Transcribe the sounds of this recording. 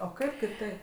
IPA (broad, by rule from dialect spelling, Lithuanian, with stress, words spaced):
oː ˈkɐɪp kʲɪˈtɐɪp